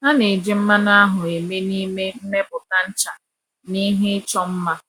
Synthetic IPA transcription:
ɦa˦ne˨d͡ʒɪ˦m̩˦ma˦na˦ɦʊ˨e˨me˦ni˦me˦m̩˦me˦bʊ˨ka˦n̩˦t͡ʃa˨ | ni˦ɦe˦ɪ˦t͡ʃɔ˦m̩˦ma˦

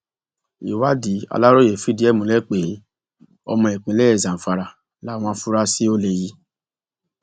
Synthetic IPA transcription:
ḭ˨wa˦di˨˦a̰˧˨la˦ɾo˦je˨fi˨˦di˦ɛ˦˨mũ˨lɛ˦k͡pe˨˦ | ɔ̰˧mɔ̃˧ɛ˨k͡pĩ˨˦lɛ˦ɛ˦˨zã˨m̩˨fa˨˧ɾa˨ | la˦˨w̃ɔ̃˧˦fu˦ɾa˦si˦o˦le˧ji˦

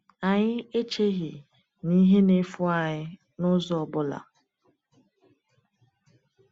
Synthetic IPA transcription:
a˨ɲɪ˦e˦t͡ʃe˦ɦi˨ | ni˦ɦe˦ne˦fʊ˦a˨ɲɪ˦ | nʊ˦zɔ˨ɔ˨bʊ˦la̰˨

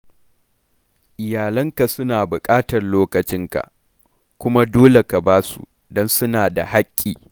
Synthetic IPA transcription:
ʔɪ˨jaː˨lɐ˦ŋka˨sʊ˦naː˨bʊ˨kʼaː˦tɐ˨rloː˦kɐ˨t͡ʃɪ˦ŋka̰˨ʔ | kʷʊ˦ma˦doː˦le˨ka˨baː˦sṵ˨ | dɔ˦nsʊ˦naː˨da̰˨ha˦kʲʼːiː˨

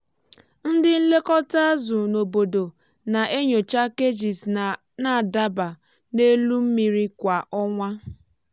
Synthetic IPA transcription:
n̩˦dɪ˦n̩˦le˦kɔ˦ta˦a˦zʊ˨no˨bo˨do˨ | na˨ʔe˦ɲo˨t͡ʃa˦ke˦d͡ʒi˨s | na˨da˦ba˨ | ne˦lu˦m̩˦mi˨ɾi˦kʷa˨ʔɔ˦ŋʷa˦

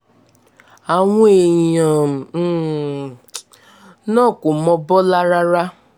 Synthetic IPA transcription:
a˨ŋʷ˦e˨ã˨˦ | nɔ̃˦˨kʊ˨mɔ˧bɔ˦la˦ɾa˦ɾa˦

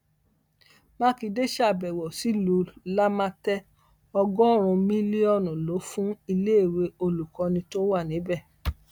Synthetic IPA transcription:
mã˦ki˧de˦ʃa˦˨bɛ˨wɔ˨si˨˦lo˨˦la˦mã˦tɛ˦ | ɔ˧ɡɔ˦˨ɾ̃ũ˧mĩ˦li˦ɔ˦˨nũ˨lo˨˦fũ˦i˧le˦˨we˧o˧lu˨kɔ̃˧nĩ˧to˦wa˦˨nĩ˨˦bɛ˦˨

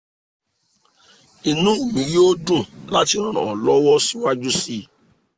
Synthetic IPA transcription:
i˨nũ˦˨mĩ˨jo˦do˦˨la˦ti˨˦ɾ̃ɔ̃˦˨ɾã̰˨lɔ˨˦wɔ˦si˦wa˦d͡ʒu˦si˦

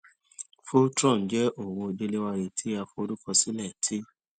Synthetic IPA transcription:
fo˦tɾɔ̃˦˨d͡ʒɛ˦ʔo˨wo˧de˧le˦wa˧ɾe˨tʰi˦a˧fo˧o˧lu˦kɔ˧si˦lɛ˦˨tʰi˦

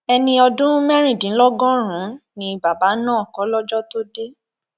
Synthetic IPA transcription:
ɛ˧nĩ˧ɔ˧dũ˦mɛ˦ɾ̃ĩ˦˨dĩ˨˦lɔ˦ɡɔ̃˦ɾ̃ũ˨˦nĩ˧ba˨ba˨˦nãː˦ɔ˨kɔ˨˦lɔ˦d͡ʒɔ˦to˦de˦

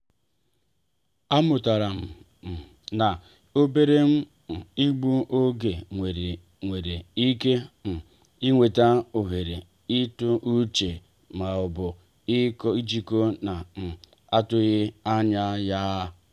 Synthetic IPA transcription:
a˦mʊ˨ta˨ɾa˨m̩˨ | na˨ | o˦be˦ɾe˦m̩˦˨ | i˦ɡ͡bu˦ʔo˦ɡe˨e˨ɾe˨ | ŋʷe˨ɾe˨i˦ke˦˨ | i˦ŋʷe˨ta˦o˨ɦe˨ɾe˨ | i˦tʊ˦ʔu˦t͡ʃe˨ | ma˨ʊ˨bʊ˨ | i˦ki˦t͡ʃi˦ko˦na˨ | a˦tʊ˦ɣɪ˦a˦ɲa˦ja˦

